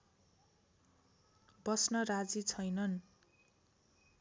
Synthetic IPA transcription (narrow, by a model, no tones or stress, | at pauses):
bʌsnʌrad͡zit͡sʰʌjnʌn